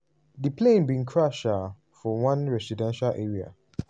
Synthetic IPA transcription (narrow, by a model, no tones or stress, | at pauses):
dəplẽnbĩnkʰɹaʃa | fɔwãnɹɛsidɛ̃nʃalʔeɹia̰